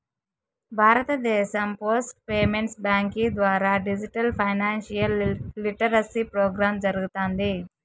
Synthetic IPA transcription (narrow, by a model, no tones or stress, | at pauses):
bʱaːɾɐt̪ɐd̪ɛːʃɐmpoːsʈpeːmeɳʈsbaːŋkiːd̪ʋaːɾaːɖid͡ʒiʈɐlpʰɐjnaːnʃijɐlliʈɐɾɐsipɾoːɡɾaːmd͡ʒɐɾuɡut̪oːnd̪i